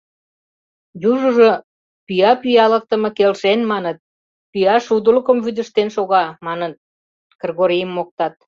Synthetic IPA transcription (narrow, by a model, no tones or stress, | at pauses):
juʒuʒo | pyjɑpyjɑlək̚t̪ə̆mɤ̆kelʃenmɑnət̪̚ | pyjɑʃud̪uləkə̆mβyd̪ə̆ʃt̪enʃoɣɑmɑnən | kərɣoɾijəmːok̚t̪ɑt̪̚